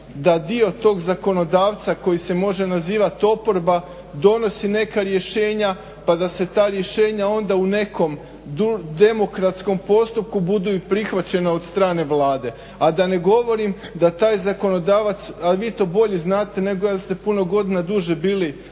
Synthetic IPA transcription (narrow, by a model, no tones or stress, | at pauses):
d̪ad̪io̞t̪o̞ːɡzako̞no̞d̪aːʋt̪sako̞jise̞mo̞ʒe̞naziːʋat̪o̞po̞ɾba | d̪o̞no̞sine̞kaɾje̞ʃe̞ːɲa | pad̪ase̞t̪aːɾje̞ʃe̞ːɲao̞nd̪aune̞ko̞m | d̪ud̪e̞mo̞kɾat̪sko̞mpo̞st̪up̚kubud̪uipɾixʋat͡ɕe̞nao̞d̪st̪ɾaːne̞ʋlˠaːd̪e̞ | ad̪ane̞ɡo̞ʋo̞ɾim | d̪at̪aːjzako̞no̞d̪aːʋat̪saʋiːt̪o̞ːbo̞ʎeznaːt̪e̞ne̞ɡojast̪e̞puno̞ɡo̞d̪inad̪uʒebiːli